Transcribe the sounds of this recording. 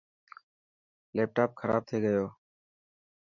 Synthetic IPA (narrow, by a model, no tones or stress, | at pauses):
leːp̚ʈaːp̚kʰəɾa̰ːb̚t̪ʰeːɡəjoː